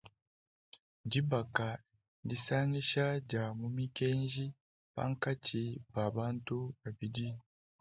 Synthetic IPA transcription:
ɟi˦ba˨ka˨ | di˦sa˦ŋi˦ʃa˦ɟa˨mumi˦keː˦nʒi˦ | pa̰˦ŋka˦cʰi˨ba˨βaː˦ntu˦βa˨bidi˦

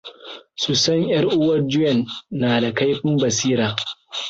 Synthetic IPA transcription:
su˨sɐ˦ɲjɐ˦rʔʊ˦wɐ˦rd͡ʒʊ˦jɐ˨nːaː˨da˨ka˦jɸɪ˦mbɐ˨siː˦ɾaː˨

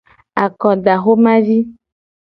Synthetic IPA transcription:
a˨kɔ˨ɖa˨xo˦mã˦vi˦

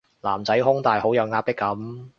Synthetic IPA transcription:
laː˨˩mt͡sɐ˨˥jɦʊ˥ŋt̪aː˨jho˨˥wjɐ˨˧wŋaː˧˥pɪ˥kːɐ˨˥m

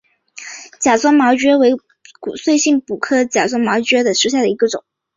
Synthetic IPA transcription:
t͡ɕja˨˩swa˥nmɑ˧˥ʊt͡ɕɥɛ˥we˧˥ɪ | ku˨˩swe˥˧ɪɕi˥˩ŋpu˨˩kʰɤ˥˩t͡ɕja˨˩t͡swa˥nmɑ˧˥ʊt͡ɕɥɛ˥d̪ə˨ʂɻ̩˥ɕja˥˩d̪ə˩i˧˥ɡə˧ʈ͡ʂʊ̰˨˩˦ŋ

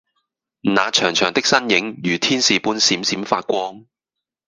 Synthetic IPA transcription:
naː˨˧t͡ʃʰœː˨˩ŋt͡ʃʰœː˨˩ŋt̪ɪ˥k̚sɐ˥njɪ˨˥ŋjyː˨˩t̪ʰiː˥nsiː˨puː˥nsiː˨˥msiː˨˥mfaː˧t̚kʷɔː˥ŋ

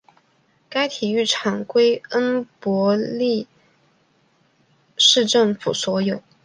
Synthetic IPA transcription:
ka˥ɪt̪ʰi˨˩y˥˩ʈ͡ʂʰɑ˨˩ŋkwe˥ɪə˥npwɔ˧˥li˥˧ | ʂɻ̩˥˧ʈ͡ʂɤ˥˩ŋfu˨˩swɔ˧˥jo˨˩˦ʊ

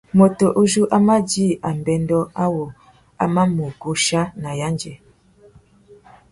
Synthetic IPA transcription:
mo˨to˨ʔo˦d͡ʒu˦ʔa˦ma˦d͡ʒi˦˨a˨m˨bɛ˨ndɔ˦a˦wo˨ | a̰˦ma˦mo˨ɡo˦ʃa˦na˨ja˦nd͡ʒɛ˨

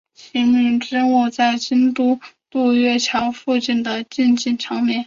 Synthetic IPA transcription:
t͡ɕʰi˧˥mi˥˩ŋʈ͡ʂɻ̩˥nwu˥˩t͡sa˥˩ɪt͡ɕi˥nt̪u˥˩t̪u˥˧ɥɛ˥˩t͡ɕʰjɑ˧˥ʊfu˥˧t͡ɕi˥˩nd̪ə˩t͡ɕi˥˧nt͡ɕi˥˩nʈ͡ʂʰɑ˧˥ŋmjɛ˥˩n

